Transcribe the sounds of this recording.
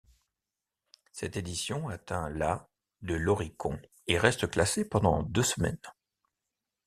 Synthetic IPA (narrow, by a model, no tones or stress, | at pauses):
sɛt̪ed̪isjɔ̃at̪ɛ̃la | d̪əlɔʁikɔ̰̃ | eʁɛst̪əklasepɑ̃d̪ɑ̰̃d̪øsəmɛ̰n